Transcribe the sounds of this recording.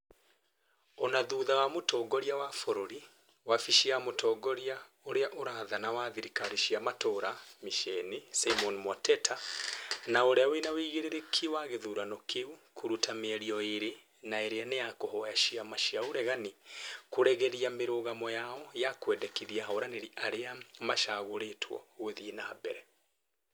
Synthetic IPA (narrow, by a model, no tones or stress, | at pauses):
onaðuːðawamotɔɡɔɾiawafoɾoɾi | wafiʃiamotʰɔːɡɔɾia | oɾeaʔoɾaðanawaðiɾikaɾiʃiamatoɾamiʃɛnisaimɔnmɔtɛtʰa | naoɾeawenawiɣiɾeɾekʰiwaɣeðuɾanɔkʰeukʰoɾutameɛɾiɔeɾe | naeɾeanejakohɔjaʃiamaʃiaoɾɛɣanikoɾɛɣɛɾiameɾoɣamɔjaɔjakwɛdɛkiðiahaoɾaneɾiʔaɾeamaʃaɣoɾetʰwɔ̰ɣweðinahabɛɾɛ